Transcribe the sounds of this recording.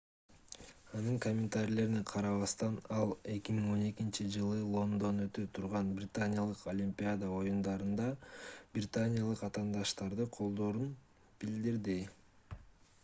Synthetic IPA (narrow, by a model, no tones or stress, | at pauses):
ɑnɯŋkomʲɪnt̪aɾʲile̞ɾniqʰɑɾɑβɑst̪ɑnɑlˠe̞kʲimiŋo̞ne̞kint͡ʃid͡ʒɯlˠɯlˠo̞nd̪o̞nø̞t̪øt̪ʰuɾʁɑnbrʲɪt̪anʲɪjalˠɯqʰolʲimʲpʲɪad̪əo̞jund̪ɑɾɯnd̪ɑb̥rʲɪt̪anʲɪjalˠɯqɑt̪ɑːnd̪ɑʃt̪ɑɾd̪ɯqʰo̞lˠd̪o̞ːɾun | b̥ild̪iɾd̪i